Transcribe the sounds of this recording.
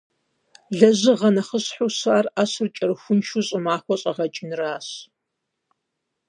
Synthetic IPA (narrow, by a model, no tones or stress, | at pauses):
ɮɐʑɨʁɐnɐχəɕħusaːraːɕɨrt͡ʃʼɐrɨxʷʊnʃuɕʼɨmaːxʷɔɕʼɐʁɐt͡ʃʼɪnraːɕ